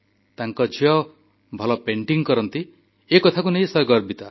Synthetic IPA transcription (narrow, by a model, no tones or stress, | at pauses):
t̪aŋkɔd͡ʒiɔ | bʱɔlɔpeɳʈiŋkɔɾɔnt̪i | ekɔt̪ʰakunej̃sɔɡɔɾbit̪a